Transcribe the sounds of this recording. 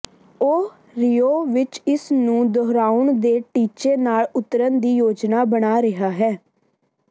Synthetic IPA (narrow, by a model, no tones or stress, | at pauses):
oː | ɾijoːʋɪt͡ʃɪsnũːd̪ɔːɾaːʊɳd̪eːʈiːt͡ʃeːnaːlʊt̪ːəɾənd̪iːjoːd͡ʒnaːbəɳaːɾɪɦaːɦɛː